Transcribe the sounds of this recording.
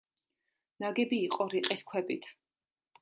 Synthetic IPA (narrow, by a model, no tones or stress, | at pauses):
naɡɛbiːqʼɔɾiqʼiskʰwɛbit̪ʰ